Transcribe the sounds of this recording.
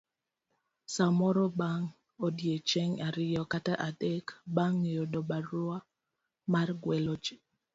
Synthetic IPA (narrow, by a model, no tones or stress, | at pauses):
samɔɾɔbaŋ | odjet͡ʃɛŋaɾɪjɔkataʔadɛkbaŋːeodɔbaɾʊa | marɡwɛlod͡ʒi̥